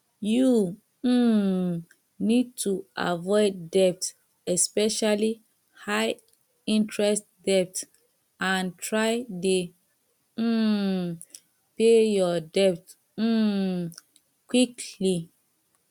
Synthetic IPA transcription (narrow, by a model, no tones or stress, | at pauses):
ju | nid̚tuʔa̰vɔɪddɛp̚t | ɛspɛʃali | haɪ | ĩntʰɹɛstdɛp̚t | ãntʰɹaɪde | pejɔdɛp̚t̩ | kwikʰli